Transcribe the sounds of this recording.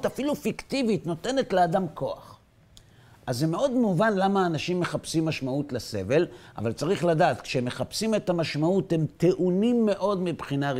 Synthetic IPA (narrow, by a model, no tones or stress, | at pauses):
tafilufikt̪ivitno̞t̪e̞ne̞t̪leadamko̞a̰χ | ʔazːeme̞o̞d̪muvanlamaːnaʃimːe̞χapsimːaʃmaut̪lese̞̰ve̞lʔa̰valt͡saʁiχladaːt̪kʃeemːe̞χapsime̞t̪amaʃmaut̪hemt̪e̞ʔunimːe̞ʔo̞d̪mibχinaʁ